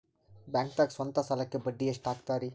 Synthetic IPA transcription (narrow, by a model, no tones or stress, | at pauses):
bɛŋk̚t̪aksɔnt̪asalakːebəɖːiesʈakt̪aɾi